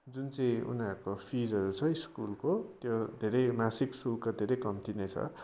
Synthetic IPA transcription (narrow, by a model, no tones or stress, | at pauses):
d͡zunt͡sʌj̃ṵnakopʰid͡zʌɾut͡sʰʌiskulkot̪jod̪ʱeɾʌjmasiksulkad̪ʱeɾʌjkʌmt̪ʰinet͡sʰʌ̰